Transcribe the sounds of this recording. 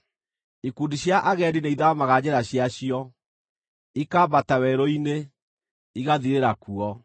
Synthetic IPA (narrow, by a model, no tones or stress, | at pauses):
ikuːndiɕjaʔaɣɛɾineiðamaɣad͡ʑɛɾaɕjaɕiɔ | ikaβatawɛɾoine | iɣaðiɾeɾakuɔ